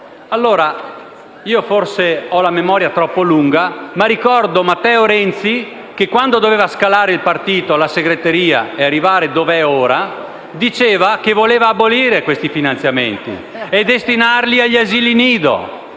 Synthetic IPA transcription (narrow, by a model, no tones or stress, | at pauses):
alːoːɾa | iːoforseɔlamemɔːɾjat̪ɾɔpːoluŋɡamaɾikɔrd̪omat̪ːɛːoɾɛnt̪si | kekːwand̪od̪oveːvaskalaːɾeilpart̪iːt̪olaseɡɾet̪eɾiːa̰earːivaːɾed̪oveɛoːɾa | d̪it͡ʃeːvakevoleːvaːboliːɾekwest̪ifinant̪sjament̪ḭ | ed̪est̪inarliaʎːaziːliniːd̪o̰